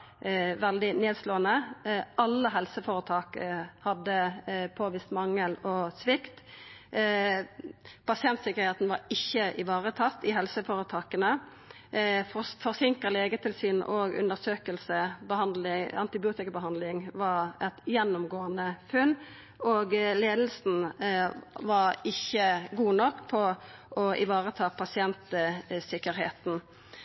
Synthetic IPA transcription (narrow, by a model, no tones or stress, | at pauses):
ʋɛld̪ɪneːd̪sloːənəʔɑlːəɦɛlsəfoːɾət̪ʰɑːkəhɑd̪ːəpʰoːʋiːst̪mɑŋːəlɔsʋɪkt̪ | pɑsɪɛnt̪sɪkːəʁɾheːt̪n̩ʋɑɾɪçːəʔɪʋɑːʁət̪ʰɑt̪ːɪɦɛlsəfoːɾət̪ʰɑːkənə | fɔʁsɪŋkəleːɡət̪ʰɪlsiːnʔɔɡʉ̰nd̪əɾsøːkəlsəbəhɑnd̪lɪɑ̰nt̪ɪbɪuːt̪ɪkɑbəɦɑnd̪lɪŋʋɑɾɛt̪jɛnːʊmɡoːənəfʉnː | oːɡleːd̪l̩sn̩ | ʋɑɾɪçːəɡuːnɔkːpʰɔɔʔɪ̰ʋɑːʁət̪ʰɑːpʰɑsɪɛnt̪sɪkːəɾheːt̪n̩